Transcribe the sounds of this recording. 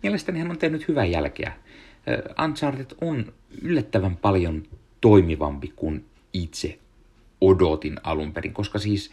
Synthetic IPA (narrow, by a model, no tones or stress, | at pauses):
miælest̪ænihænont̪ehnyt̪hyʋæjælkḛæ̰ | ɑ̰nt̪sɑːrd̪et̪on | ylːæt̪ːæʋæmpɑljont̪oimiʋɑ̰mpikun | it̪se | odot̪inɑ̰lumperḭŋko̞skɑsiːs